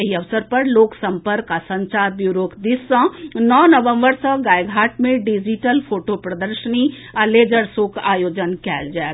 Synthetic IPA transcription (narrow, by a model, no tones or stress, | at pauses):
ɐɦiɐʋsəɾpɐɾloːksə̃mpəɾkasə̃ɲt͡ʃaːɾbjuːɾoːkd̪ɪsə̃nɔːnəʋə̃mbəɾsə̃ɡaːjɡʱaːʈmẽɖid͡ʒiʈəlpʰoːʈopɾəd̪əɾʃəni | ɐleːd͡ʒəɾsokaːjoːd͡ʒənkɛːld͡ʒaː